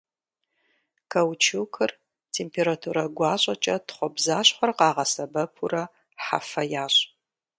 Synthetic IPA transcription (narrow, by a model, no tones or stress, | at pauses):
kʰɐwt͡ʃʰɨwkʰɨr | tʰempʰeɾatʰuɾɐɡʷɑːɕʼɐt͡ʃʼɐtχʷɔbzaːɕχʷɔrqɑːʁɐsɐbɐpʰurɐ | ħa̰fɐjaːɕʼ